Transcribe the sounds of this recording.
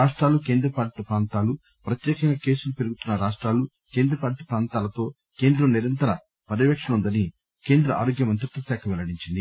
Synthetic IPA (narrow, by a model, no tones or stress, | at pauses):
aːʂʈɾaːluke̞ːnd̪ɾɐpaːɾt̪ɐpɾaːnt̪aːlu | pɾɐt̪jɛːkɐŋɡaːke̞ːsulupeɾuɡut̪unːɐɾaːʂʈɾaːlu | ke̞ːnd̪ɾɐpaːʈit̪ɐ̥pɾaːnt̪aːlɐt̪o̞ː | ke̞ːnd̪ɾɐmniɾɐnt̪ɐɾɐ | pɐɾɐʋɐkʂɐnund̪ɐni | ke̞ːnd̪ɾɐʔa̰ːɾoːɡjɐmɐnt̪ɾit̪ːɐsaːkʰɐʋɛlɐɽiɲt͡ʃind̪i